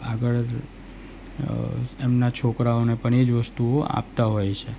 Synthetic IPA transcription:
aɡəɭ | emnat͡ʃʰokɾaonepəɳed͡ʒʋəst̪uoa̰p̚t̪aɦojt͡ʃʰe

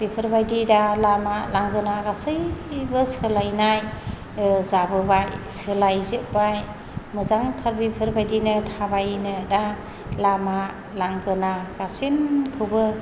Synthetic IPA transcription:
b̥ipʰɯɾbajdidalamalaŋɡɯnaɡasɯjbɯsɯlajnaj | zabɯbajsɯlajzɯʔ̚baj | mɯzaŋtʰaɾbipʰɯɾbajdinɯtʰabajnɯda | lama | laŋɡɯnaɡasinkʰɯwbɯ

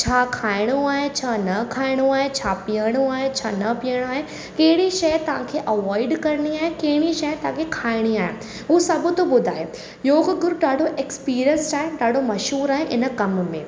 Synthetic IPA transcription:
t͡ɕʰaːkʰaːɪɽ̃uaːɦet͡ɕʰaːnɐkʰaːɪɽ̃uaːɦet͡ɕʰaːpiːəɽ̃uaːɦet͡ɕʰa̰ːnɐpijəɽ̃oaːɦe | kɐɦɪɽiʃɐjt̪ɐʋ̤ãkʰeʔɐʋɔːɪɖkɐɾniaːɦẽkɐɦɪɽ̃iʃɐjt̪ɐãkʰekʰaːɪɽ̃iaːɦḛ̃ | uːsɐb̆ʱt̪obʊd̪ʱa̰ːɦeː | joːɡɡʊɾɖaːɖʱoʔeːkspiːɾijənsaːɦẽɖaːɖʱomɐʃɦuːɾaːɦẽʔɪnə̆kɐmmẽː

